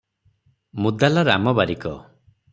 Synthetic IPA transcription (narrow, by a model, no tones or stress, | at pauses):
mud̪alaɾamɔbaɾikɔ